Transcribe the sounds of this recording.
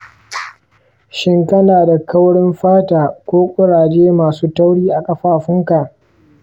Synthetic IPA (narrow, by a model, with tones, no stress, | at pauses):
ʃɪ˦ŋkɐ˦naː˨da˨kɐ˦wɽɪ˦mɸaː˦taː˨kʷoː˦kʷʼʊ˦ɽaː˨d͡ʒeː˦maː˨suː˦ta˦wɽiː˦ʔa˨kʼɐ˦ɸaː˦ɸɪ˦ŋka˨ʔ